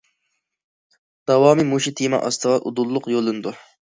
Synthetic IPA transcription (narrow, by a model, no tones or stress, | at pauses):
d̪̥ɑwɑːmimuʃit̪ʰimɑ̰ʔɑst̪ʰəʁɑʔud̪ulˠːʊqjolˠːɨnɨd̪u